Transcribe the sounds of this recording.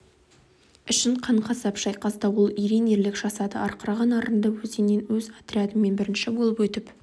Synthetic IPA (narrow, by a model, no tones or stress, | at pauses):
ɪʃɪɴqʰɑɴqʰɑsɑpʃɑjqɑsd̪ɑwolˠijɾine̞ɾlɪkʒ̥ɑsɑd̪ə̰ɑɾqəɾɑʁɑnɑɾənd̪ɑwɵzenːe̞nwɵzat̪ɾʲiad̪əmmːe̞nbɪɾɪnʃɪbolˠəpwɵt̪ɪp